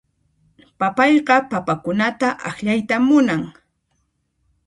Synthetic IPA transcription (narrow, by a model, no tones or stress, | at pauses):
papɑjɢɑpapakʊnat̪aʔɑxʎajt̪amːʊnaŋ